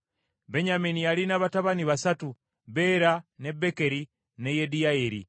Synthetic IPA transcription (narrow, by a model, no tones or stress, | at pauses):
beɲaminijalinaβataβaniβasatu | βe̞ɾane̞beke̞ɾi | nejedijaeɾḭ